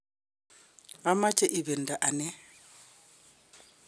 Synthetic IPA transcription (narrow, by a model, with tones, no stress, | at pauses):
a˦ma˦t͡ʃʰʼɛ˦ʔi˨βɛ˨n̩˨da˨ʔa˨nɛ˦